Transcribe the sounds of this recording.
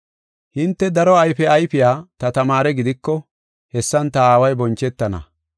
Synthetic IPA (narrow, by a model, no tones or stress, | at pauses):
hɪnt̪ːɛd̪ɐɾɔɐjfɛɐjfɪjaːt̪ɐt̪ɐmaːɾɛɡɪd̪ɪkːɔ | hɛsːɐnt̪ɐaːwɐjbɔnt͡ʃːɛt̪ːɐnɐ̰